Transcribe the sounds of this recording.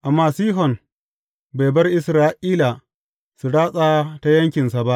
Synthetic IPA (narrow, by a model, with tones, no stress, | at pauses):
ʔa˨mːaː˦siː˦ɦɔ˨n | ba˨jbɐ˦rʔɪ˨sɾaː˦ʔiː˦la˨ | su˨ɽaː˦sʼaː˦ta˦jɐ˦ŋkʲɪ˨nsa˨ba˦ʔ